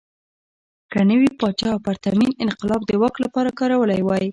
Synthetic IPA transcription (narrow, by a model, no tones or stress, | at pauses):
kənəwipɑt͡ʃɑpaɾt̪aminɪnqɪlɑb̚d̪əwaklapɑɾakɑɾawəlajwɑji